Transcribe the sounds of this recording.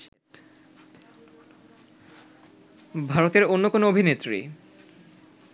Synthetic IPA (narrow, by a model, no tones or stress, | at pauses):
bʱaɾot̪eɾonːokonoobʱinet̪ːɾḭ